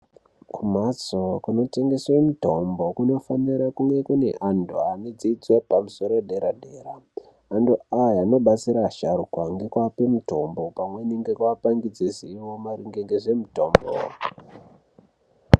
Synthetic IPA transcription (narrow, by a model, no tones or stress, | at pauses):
kumat͡sokuno̞te̞ŋɡe̞swemutombo̞kuno̞faniɾakuŋɡe̞kune̞̰ʔandʱoaned͡zid͡zwepamuso̞ɾoɗeɾaɗʱe̞ːɾaː | nduajano̞ɓat͡siɾaʃaɾukwaŋɡekwapemuto̞mbo̞pamwe̞niŋɡekwaapaŋɡid͡zeziiwo̞maɾiŋɡeŋɡeʐe̞mutoːmbo̰